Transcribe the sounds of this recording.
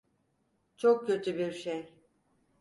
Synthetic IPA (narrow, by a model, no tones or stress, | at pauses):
t͡ʃʰok̚cøt̪ʰybiɾʃej